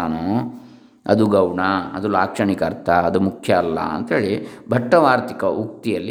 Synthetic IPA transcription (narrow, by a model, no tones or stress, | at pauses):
aːnu | ɐ̰d̪uɡɐwɳaɐd̪ulaːkʂɐɳikɐɾt̪ʰɐɐd̪umukʰjɐːlːɐ̰ɐ̰nt̪ɐɦeːɭibʱɐʈːɐʋaːɾt̪ikɐuk̚t̪ijɐlːi